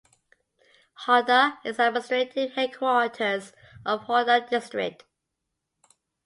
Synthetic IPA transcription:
hɔdəɪzɛməstɹ̥etʰɪd̚hɛd̚kʰwɔɹtʰəz | ʔəv̥hɔdədɪstɹɪ̰k̚t

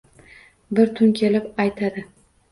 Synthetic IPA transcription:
bɪɾt̪ʰʊnkʲʰe̞lɪpajt̪ʰad̪ɪ

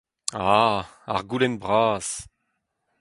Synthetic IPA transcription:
a | a̰ʁɡulɛnbʁaːs

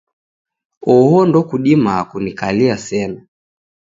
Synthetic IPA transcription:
ɔhɔndɔkuɗimaːkunikaliasɛna

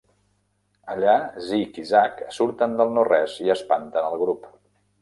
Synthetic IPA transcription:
əʎazikizaksuɾt̪ənd̪əlˠnorɛziəspant̪ənəlˠɣɾup

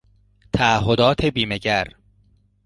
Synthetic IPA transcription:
t̪ʰæːɦod̪ɒːt̪ʰebiːmeɟæɾ

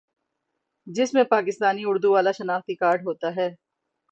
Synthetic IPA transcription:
d͡ʒɪsmẽpaːkɪst̪aːniʊɾd̪uʋaːlaʃɐnaːxt̪ikaːɾɖɦoːt̪aɦɛː

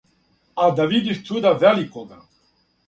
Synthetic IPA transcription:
ad̪avid̪yst̪ud̪avɛlikɔɡa

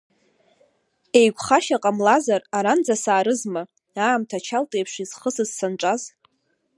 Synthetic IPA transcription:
e̞jɡʷʰʼχaʃaqʼamlazaraɾand͡zasaːɾɨzma | aːmtʰat͡ʃʰaltʼejpʰʂiz̥χəsɨzsanʈ͡ʂʷʼaz

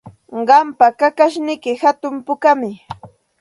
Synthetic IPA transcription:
ɢɑmpakakaʃnɪkɪhat̪ʊmpʊkamɪ

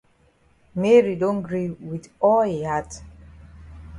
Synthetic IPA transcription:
mɛɹidõnɡɹiwidɔlhihat

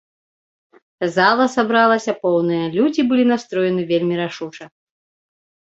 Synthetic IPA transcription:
zalˠɐsabɾalˠɐsʲɐpɔwnɨjɐlʲud͡zʲibɨlʲinast̪ɾɔjɛnɨvʲelʲmʲiɾaʂut͡ʂɐ

